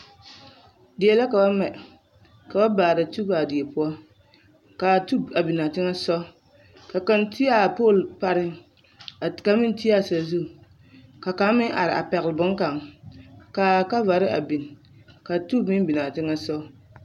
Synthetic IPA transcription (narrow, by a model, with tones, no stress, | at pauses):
dɪ˨e˨la˦ka˨ba˦mɛ˨ | ka˨ba˦baː˨ɾa˨tu˦baː˨di˨e˨pʊ˦ɔ˦ | ka˨tu˦a˨bi˨na˨tɪ˦ŋa˦sɔ˦ | ka˨ka˦nti˦a˦˨po˦˨lpa˦ɾɪ˦ | a˨ka˨˦mɪ˦n˦ti˦a˦˨sa˨zu˦˨ | ka˨ka˨˦mɪ˦ʔa̰˨ɾɪ˨ʔa̰˨pɛ˨ɣɪ˨lbʊ˦ŋka˨ŋ | ka˨ka˦va˨ɾɪ˦ʔa̰˨bi˨n | ka˨tu˦mɪ˦bi˨na˨tɪ˦ŋa˦sɔ˦